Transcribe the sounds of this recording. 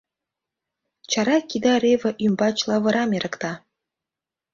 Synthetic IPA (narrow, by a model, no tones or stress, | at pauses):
t͡ɕɑɾɑkid̪ɑɾʲevɘ̆ʔymbɑt͡ɕlˠɑvɤ̆ɾɑmʲeɾʔɤ̆kt̪ɑ